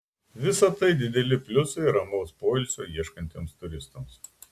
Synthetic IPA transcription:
ʋʲɪsɐt̪ɐɪd̪ʲɪd̪ʲɛlʲɪpʲlʲʊsɐɪɾɐmɒʊspoːɪlʲsʲoːiɛʃkɐnʲt̪ʲeːmst̪ʊɾʲɪst̪oms

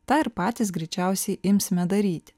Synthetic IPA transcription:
t̪ɑːɪɾpɑːt̪ʲɪsɡɾʲɛɪt͡ʃʲæˑʊsʲɛɪʔɪmʲsʲmʲɛd̪ɐɾʲiːt̪ʲ

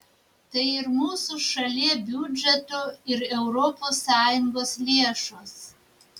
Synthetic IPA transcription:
t̪ɐɪɪɾmuːsuʃɐlʲiɛbʲud͡ʒʲɛt̪ʊɪɾɛʊɾɔpoːsːɑːjʊŋɡoːslʲeɛʃoːs

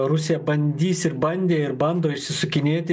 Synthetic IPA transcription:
ɾʊsʲejɛbɐnʲd̪ʲiːsɪɾbɐnʲd̪ʲeːɪɾbɐnd̪oːɪʃʲsʲɪsʊkʲɪnʲeːt̪ʲ

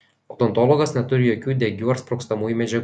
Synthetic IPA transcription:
ot̪ɔnt̪oːlˠɔːɡɐsnʲɛt̪ʊɾʲɪjoːkʲuːd̪ʲɛɡʲuːɐɾspɾoːkst̪ɐmuːjumʲɛd͡ʒʲɛɡ

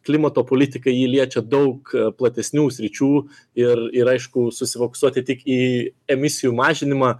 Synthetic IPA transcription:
klʲɪmɐt̪oːpoːlʲɪt̪ʲɪkɐɪjiːlʲiɛt͡ʃʲɛd̪ɐʊkplˠɐt̪ʲɛsʲnʲuːsʲɾʲɪt͡ʃʲuː | ɪrɪɾɐɪʃkʊsʊsʲɪfoːkʊ̥suɔt̪ʲɪt̪ʲɪkiːɛmʲɪsʲɪjuːmɑːʒʲɪnʲɪmɑː

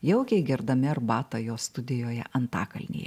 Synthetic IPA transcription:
jɛʊkʲɛɪɡʲɪɾd̪ɐmʲɪɐɾbɑːt̪ɐjoːst̪ʊd̪ʲɪjoːjɛ̰ʔɐnt̪ɑ̰ːkɐlʲnʲḛːjɛ̰

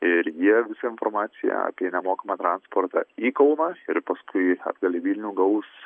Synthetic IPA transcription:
ɪɾjiɛʋʲɪsɐɪnfoɾmɑːt̪sʲɪjɛ̰ɐ̰pʲiɛnʲɛmoːkɐmɑːt̪ɾɑnspoːɾt̪ɑ̰iːkɐʊnɑɪɾpɐskʰʊɪɐ̰d̪ɡɐlʲeʋʲiːlʲnʲuːɡɐʊs

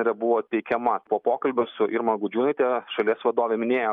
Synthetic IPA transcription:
ɛɾʲɛbʊʋoːt̪ʲɛɪkʲɛmɐpoːpoːkɐlʲbʲʊsʊʔɪɾmɐɡʊd͡ʒʲuːnɐɪt̪ʲɛʃɐlʲiɛsʋɐd̪oːʋʲɛmʲɪnʲeːjoː

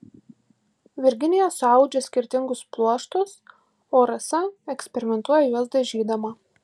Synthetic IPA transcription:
ʋʲɪɾʲɡʲɪnʲɪjɛsʊɐˑʊd͡ʒʲɛsʲkʲɪɾʲt̪ʲɪŋɡʊsplˠuɔʃt̪ʊs | oːɾɐsɐɛksʲpʲɛɾʲɪmʲɛnt̪uɔjɛjuɔsd̪ɐʒʲiːd̪ɐmɐ

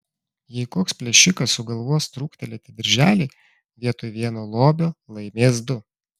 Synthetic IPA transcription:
jɛɪkoːkspʲlʲɛʃʲɪkɐsʊɡɐlˠʋoːst̪ɾuːkt̪ʲɛlʲɛt̪ʲɪd̪ʲɐɾʲʒʲæːlʲiː | ʋʲiɛt̪ʊʋʲiɛnoːlˠoːbʲoːlˠɐɪmʲeːsd̪ʊ

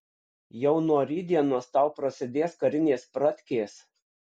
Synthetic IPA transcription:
jɛʊnuɔɾʲiːd̪ʲiɛnoːst̪ɑˑʊpɾɐsʲɪd̪ʲeːskɐɾʲɪnʲeːspɾɐt̪ʲkʲeːs

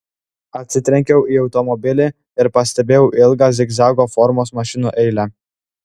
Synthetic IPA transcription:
ɐt̪ʲsʲɪt̪ʲɾʲɛŋʲkʲɛʊʔiːɒʊt̪ɔmɔbʲɪlʲɪ | ɪɾpɐsʲt̪ʲɛbʲeːjɛʊʔɪlˠɡɑːzʲɪɡzɑɡofɔɾmoːsmɐʃʲɪnuːʔɛɪlʲæ

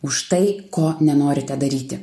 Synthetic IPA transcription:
ʊʃt̪ɐɪkoːnʲɛnoːɾʲɪt̪ʲɛd̪ɐɾʲiːt̪ʲɪ

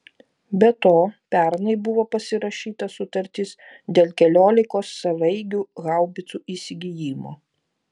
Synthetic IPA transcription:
bʲɛt̪oːpʲæɾnɐɪbʊʋoːpɐsʲɪɾɐʃʲiːt̪ɐsʊt̪ɐɾʲt̪ʲis | d̪ʲeːlˠkʲɛlʲoːlʲɪkoːsːɐʋɐɪɡʲuːɣɑˑʊbʲɪt̪suːʔiːsʲɪɡʲijiːmo̰ː

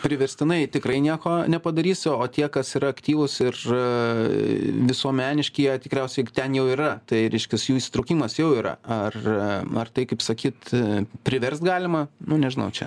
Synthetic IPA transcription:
pʲɾʲɪʋʲɛɾʲsʲt̪ʲɪnɐɪt̪ʲɪkrɐɪnʲiɛkoːnʲɛpɐd̪ɐɾʲiːsoːt̪ʲiɛkɐsiɾɐɐkt̪ʲiːʋʊsɪr̰ | ʋʲɪsuɔmʲæːnʲɪʃʲkʲiɛt̪ʲɪkɾʲɛʊsʲɛɪt̪ʲɛnjɛʊiːɾɐt̪ɐɪɾʲɛɪʃʲkʲɪsjuːisʲɪt̪ɾɐʊkʲiːmɐsjɛʊiːɾɐ̰ɐrɐrt̪ɐɪkɐɪpsɐkʲiːt̪pʲɾʲɪʋʲɛrst̪ɡɑːlʲɪmɐnʊnʲɛʒʲɪnɐʊt͡ʃʲɛ̰

